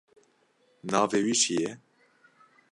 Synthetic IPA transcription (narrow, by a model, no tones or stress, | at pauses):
nɑːveːwiːʃijɛ